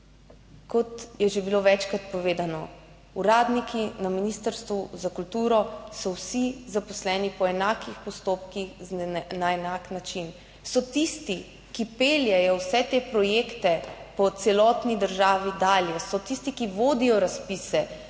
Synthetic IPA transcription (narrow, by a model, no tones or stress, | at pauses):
kɔt̪jɛʒebiloʋɛt͡ʃkɾat̪pɔʋeːd̪anɔ | uɾaːd̪nikʰinaminist̪əɾst̪ʋuzakult̪uːɾɔsɔwsizapɔslɛnipɔɛnaːkixpɔst̪oːpkixnaɛnaknat͡ʃin | sɔt̪ist̪i | kipeːljɛjɔwsɛt̪epɾɔjeːkt̪ɛpɔt̪sɛlɔːt̪nid̪əɾʒaːʋid̪aːljɛsɔt̪ist̪ikiʋoːd̪ijɔɾaspisɛ